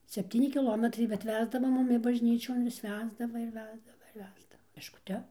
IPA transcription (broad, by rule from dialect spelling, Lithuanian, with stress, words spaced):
sʲɛpʲˈtʲiːnʲɪ kʲɪˈlˠoːmʲɛtrɐɪ bʲɛt ˈʋʲæːzdɐʋɐ ˈmʊmʲɪ bɐʒʲˈnʲiːt͡ʃʲoːn ʋʲɪs ˈʋʲæːzdɐʋɐ ɪr ˈʋʲæːzdɐʋɐ ɪr ˈʋʲæːzdɐʋɐ pʲɛʃkʊˈtʲɛ